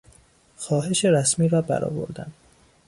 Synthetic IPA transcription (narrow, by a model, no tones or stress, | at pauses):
xɒːɦe̞ʃeɾæsmiːɾɒːbæ̰ɾɒ̰ːvo̞̰ɾd̪æ̰n